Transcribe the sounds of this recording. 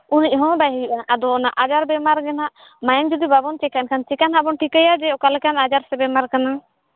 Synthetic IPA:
unic̚ɦɔ̃baɦijiʔaʔad̪ɔnaʔad͡ʒaɾbɛmaɾɡɛnaʔ | majənd͡ʒud̪ibabɔnt͡ʃɛkaʔnkʰant͡ʃikanɦabɔnʈʰikəjad͡ʒɛɔkalɛkanad͡ʒaɾsɛbɛmaɾkana

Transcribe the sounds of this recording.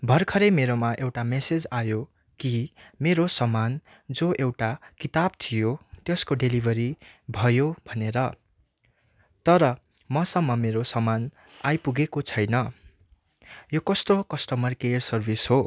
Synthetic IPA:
bʱʌrkʰʌɾemeɾomaʔewʈamesed͡zajo | kimeɾosʌman | d͡zoʔewʈakit̪ab̚t̪ʰijot̪eskoɖelibʱʌɾibʱʌjobʱʌneɾʌ | t̪ʌɾʌ | mʌsʌmːʌmeɾosʌman | ajpuɡekot͡sʰʌjnʌ | jokʌst̪okʌsʈʌmʌrkersʌrbisɦo

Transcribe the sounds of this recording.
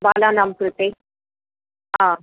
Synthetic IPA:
balanamkɾut̪e | ã

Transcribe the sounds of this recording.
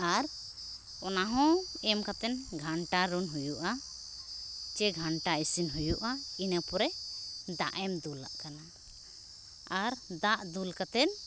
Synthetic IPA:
aɾ | ɔnaɦɔ̃ɛmkat̪ɛnɡʱaɳʈaɾunɦujuʔa | t͡ʃɛɡʱaɳʈaisinɦujuʔainəpɔɾɛd̪a̰ʔɛmd̪ulːa̰ʔkana | aɾd̪aʔd̪ulkat̪ɛn

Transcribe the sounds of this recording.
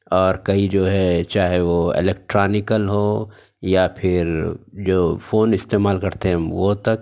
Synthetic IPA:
ɔːɾkɐid͡ʒoːɦɛt͡ʃaːɦeʋoɪ̰lɛːk̚ʈɾaːnɪkəlɦoː | japʰɪɾd͡ʒoːfoːnɪst̪eːmaːlkɐɾt̪eɦɛ̃ʋot̪ɐk̚

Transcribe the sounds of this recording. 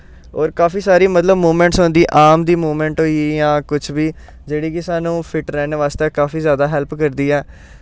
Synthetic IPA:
ɔːɾkaːfiːsaːɾiːmət̪ləbmoːmɛ̃ːɳʈsɦõːnd̪iːʔaːmd̪iːmuːmɛ̃ːɳʈɦoːijãːkʊt͡ʃʰʋiː | d͡ʒeːɽiːkɪsaːnũːpʰɪʈɾɛːneʋaːst̪eːkaːfiːzjaːd̪aːɦɛːlpkəɾd̪iːɛː

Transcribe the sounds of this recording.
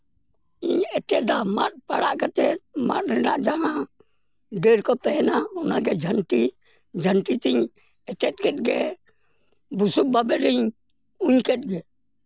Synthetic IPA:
iɲɛʈɛʔd̪ama̰t̪̚paɽaʔkat̪ɛma̰t̪̚ɾɛnaʔd͡ʒaɦã | ɖɛɾkɔt̪ɛɛnaɔnaɡɛd͡ʒʱəɳʈi | d͡ʒʱəɳʈit̪iɲ | ɛʈɛt̪̚ˀkɛt̚ɡɛ | busuk̚babɛɾiɲ | uɲkɛt̪̚ɡɛ

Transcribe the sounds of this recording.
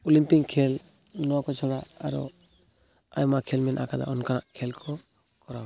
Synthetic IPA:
ulimpikʰːɛl | nɔwakɔt͡ʃʰɔɽaaɾɔ̰ | a̰jmakʰɛlmɛnʔa̰kad̪a̰ʔɔnkanaʔkʰɛlkʰɔ | kɔɾaw

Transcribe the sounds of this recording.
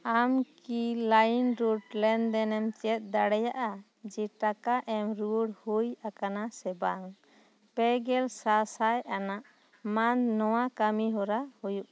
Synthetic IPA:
amkilajnɾuɖlɛnd̪ɛnɛmt͡ʃɛt̪̚ˀd̪aɽɛjaʔa | d͡ʒɛʈakaʔɛmɾuɽhujakanasɛbaŋ | pɛɡɛlsasajanaʔ | mannɔwakamiɦɔɾahujuʔ

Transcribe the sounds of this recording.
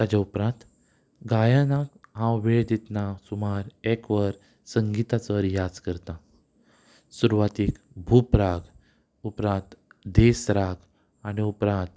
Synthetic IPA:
t̪ad͡ʑaupɾãnt̪ | ɡajanakɦãwʋeɭd̪et̪nasumaɾɛkʋəɾ | səŋɡit̪at͡səɾjad͡zkəɾt̪ã | suɾuʋat̪ik | bʱupɾaɡ | upɾãnt̪d̪esɾaɡ | añiupɾãnt̪

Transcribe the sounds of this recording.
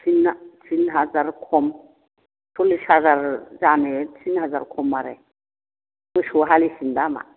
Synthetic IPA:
tʰinat͡sʰinɦazaɾkʰɔm | tʰoliʃhazaɾd͡ʒanet͡sʰinɦaza̰ɾkʰɔmːaɾɛ̰ | mɨʃoɦalisindama̰

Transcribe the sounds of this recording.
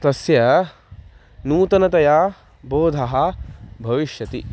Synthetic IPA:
t̪ɐsjɐ | nuːt̪ɐnɐt̪ɐjaː | boːd̪ʱɐɦɐbʱɐʋiʃjɐt̪i

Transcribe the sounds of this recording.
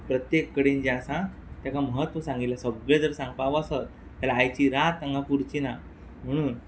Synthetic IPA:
pɾət̪jekːəɽiːnd͡ʑẽasã | t̪jakaməɦət̪ʋəsãŋɡit̪lasəbɭed͡zəɾsãŋɡ̚paʋəsət̪̚ | talaːjt͡ɕiːɾat̪ãŋɡapuɾt͡ɕina | m̤əɽ̃uːn

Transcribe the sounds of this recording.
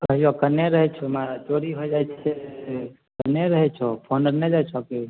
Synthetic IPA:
əɦijokəɾneɾəɦɛt͡ʃʰɛmat͡ʃoɾiɦojd͡ʒajt͡ʃʰɛ | kəɾneɾəɦɛt͡ʃʰɔpʰonəɾned͡ʒajt͡ʃʰɔke

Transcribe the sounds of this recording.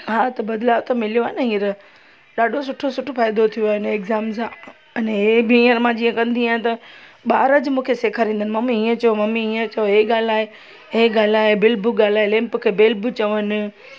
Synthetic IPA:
ɦaːt̪ɐbɐd̪laːʋt̪ɐmɪlijoaːnɐɦiːɾ | ɗaːɖʱosʊʈʰosʊʈʰofaːɪd̪ot̪ʰijoaːɦɪnɛkzaːmza | ɐnɦebɪiːə̃ɾmãd͡ʑiːə̃kɐ̃nd̪ʱiãːt̪ɐɓaːɾəd͡ʑmũːkʰeseːkʰaɾĩːnd̪ənɪmɐmiiːə̃t͡ɕɐjomɐmiiːə̃t͡ɕɐjoɦeɠaːl̤aːɦe | ɦeɠaːl̤aːɦebɪlbʊɠaːl̤aːɦelẽːmpkʰeːbɪlbt͡ɕɐʋənɪ̆

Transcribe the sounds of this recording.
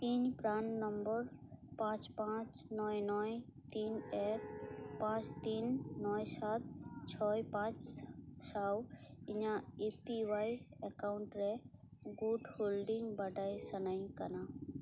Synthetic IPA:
iɲpɾannəmbəɾpãt͡ʃpãt͡ʃnɔjnɔjt̪ineɾpãt͡ʃt̪inːɔjsat̪̚t͡ʃʰɔjpãt͡ʃsawiɲãepiwajekaʊɳʈɾeɡuɖholɖiŋɡbəɖajsənaɪnkəna

